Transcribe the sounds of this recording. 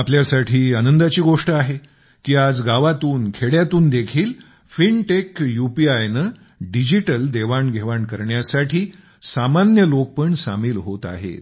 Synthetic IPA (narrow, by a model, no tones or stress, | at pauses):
apljasaʈʰiːanənd̪at͡ɕiːɡoʂʈəaɦe | kiːad͡zɡaʋat̪uːnkʰeɽjat̪uːnd̪ekʰiːl | fiɳʈekjupiajnə | ɖid͡ʑiʈəld̪eʋaɳɡʱeʋaɳkəɾɳjasaʈʰiː | samanjəlok̚pəɳsamiːlɦot̪a̰ɦḛ